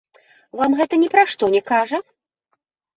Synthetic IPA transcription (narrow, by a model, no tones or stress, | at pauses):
vamɣɛt̪ɐnʲɛpɾaʂt̪ɔnʲɛkaʐɐ